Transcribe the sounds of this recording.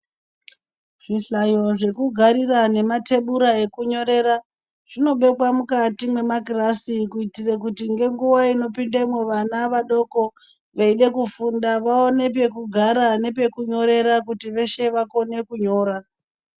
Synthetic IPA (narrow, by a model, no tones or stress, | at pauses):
ʐ̥iɬajo̞ʐe̞kuɡʱaɾirane̞mate̞ɓuɾae̞kuɲo̞ɾe̞ɾa | ʐ̥ino̞ɓe̞kwamukatimwe̞maɡirasikuitirekutiŋɡe̞ŋɡuʋaino̞pindemweʋanaʋaɗo̞ko̞ | ʋeiɗe̞kufundaʋao̞ne̞p̬e̞kuɡʱaɾane̞p̬e̞kuɲo̞ɾe̞ɾakutiʋe̞ʃe̞ʋako̞ne̞kuɲo̞ːɾa